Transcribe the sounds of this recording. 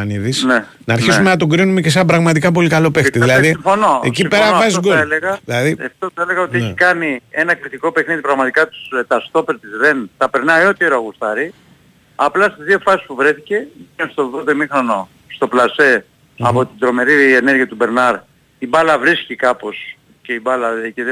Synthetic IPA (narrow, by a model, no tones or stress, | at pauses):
ɐniðisne | nɐːɾçisumenɐt̪o̞ɡɾinume̞ce̞s̬eɐmbɾɐɣmɐt̪̬ikɐp̬o̞likɐlo̞pe̞xt̪iðilɐðisiɱfonoecipeɾɐvɐzɡoeleɣɐðilɐðieft̪oθɐeleɣɐo̞t̪ieikɐnie̞nɐkɾit̪iko̞pe̞xniðipɾɐɣmɐt̪ikɐt̪u̥st̪ɐst̪o̞peɾt̪izðe̞nt̪ɐpe̞ɾnɐio̞t̪ieɾoɐɣust̪ɐɾi | ɐplɐst̪izðio̞fɐsispuvɾe̞θice̞enst̪o̞ðo̞ðemixɾo̞no̞ | st̪o̞plɐse̞ | ɐpo̞t̪id̪ɾo̞me̞ɾiene̞ɾʝiɐt̪ube̞ɾnɐɾ | ibɐlɐvɾiscikɐpo̞s | ce̞ibɐlɐceð